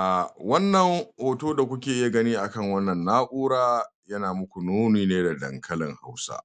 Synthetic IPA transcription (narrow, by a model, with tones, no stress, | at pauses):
ʔa˨wɐ˦nːɐ˨ŋhoː˨toː˦da˨kʷʊ˦kʲeː˨ʔɪ˦ja˨ɡɐ˦niː˦ʔa˨kɐ˦˨ŋwɐ˦nːɐ˨nːaː˦ʔʷuː˦ɾaː˦jɐ˦naː˨mʊ˦kʷu˨noː˦niː˨neː˦da˨dɐ̰˨ŋkʰɐ˦lɪ̰˨ŋha˦wsa̰˦ʔ